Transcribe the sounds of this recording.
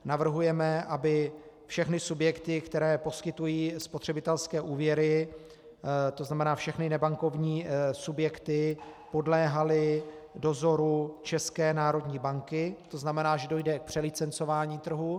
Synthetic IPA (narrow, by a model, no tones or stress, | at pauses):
navr̩ɦujɛmɛʔabɪ | fʃɛxnɪsubjɛkt̪ɪkt̪ɛɾɛːpo̞skɪt̪ujiːspo̞t̪r̥ɛbɪt̪ɛlskɛːʔuːvjɛɾɪ | t̪o̞znamɛnaːfʃɛxnɪnɛbaŋko̞vɲiːsubjɛkt̪ɪpo̞dlɛːɦalɪ | do̞zo̞ɾut͡ʃɛskɛːnaːɾo̞dɲiːbaŋkɪt̪o̞znamɛnaːʒɛdo̞jdɛk̚pr̥ɛlɪt͡sɛnt͡so̞vaːɲiːt̪r̩ɦu